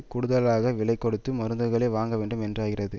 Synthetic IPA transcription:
kʊɽɯðɐlaːɣɐʋɪɭɐɪkːɔɽɯt̪ːɯmɐɾɯnd̪ɯɣɐɭeːʋaːŋɡɐʋeːɳɖɯmɛndrɯaːɣɪrɐðɯ

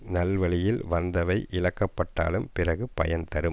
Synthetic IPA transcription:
nɐlʋɐɭɪjɪlʋɐnd̪ɐʋɐɪʔɪɻɐkːɐpːɐʈːa̰ːlɯmpɪrɐɣɯpɐ̰jɐnt̪ɐɾɯm

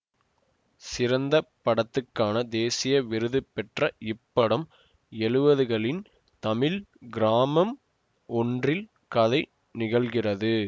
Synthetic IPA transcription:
sɪɾɐnd̪ɐpːɐɽɐt̪ːɯkːaːnɐd̪eːsɪjɐʋɪɾɯðɯpːɛʈrɐʔɪpːɐɽɐm | ɛɻɯʋɐðɯɣɐɭɪn | t̪ɐmɪlɡɪɾaːmɐm | ɔndrɪl | kɐðɐɪ | nɪɣɐɭɣɪrɐðɯ

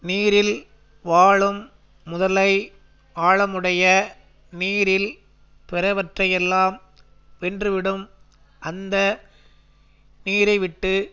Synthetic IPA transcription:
niːɾɪl | ʋaːɭɯmː | ʊðɐlɐɪ | aːɭɐmɯɽɐjɐ | niːɾɪl | pɛɾɐʋɐʈrɐjɛlːaːm | ʋɛndrɯʋɪɽɯm | ʔɐnd̪ɐ | niːɾɐɪʋɪʈːɯ

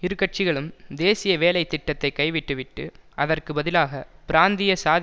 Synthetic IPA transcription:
ɪɾɯkːɐʈ̚t͡ʃɪɣɐɭɯmd̪eːsɪjɐʋeːlɐɪt̪ːɪʈːɐt̪ːɐɪkɐɪʋɪʈːɯʋɪʈːɯ̰ʔɐðɐrkɯbɐðɪlaːɣɐpɪɾaːnd̪ɪjɐsaːð

